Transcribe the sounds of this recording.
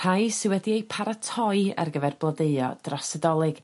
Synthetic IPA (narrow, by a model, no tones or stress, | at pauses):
ajsɪwɛdiejpʰaɾatʰɔɨa̰rɡəvɛrblˠədeɨɔ̰d̥rasɛdɔlˠɨɡ̥